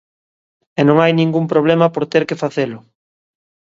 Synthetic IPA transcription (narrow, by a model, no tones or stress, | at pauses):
ɛnõŋajnĩŋɡumpɾoβ̞lɛmɐpoɾt̪eɾkɪfaθelʊ